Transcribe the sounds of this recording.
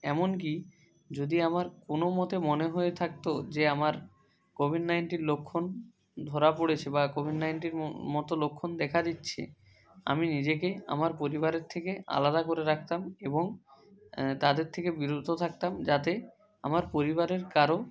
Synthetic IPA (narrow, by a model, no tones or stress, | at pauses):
ɛmonk̬i | d͡ʑod̪iamaɾkonomɔt̪emoneɦoet̪ʰak̚t̪od͡ʑeamaɾ | kobʱiɖnajɳʈinlokʰːon | d̪ʱoɾapoɽet͡ɕʰebakobʱiɖnajɳʈiɾmɔt̪olokʰːond̪ɛkʰad̪itːɕʰḛ | a̰minid͡ʑekea̰maɾpoɾiβaɾeɾt̪ʰekea̰lad̪akoɾeɾak̚ʰt̪ameboŋ | t̪ad̪eɾt̪ʰekebiɾod̪ʱot̪ʰak̚t̪amd͡ʑat̪e | a̰maɾpoɾibaɾeɾkaɾo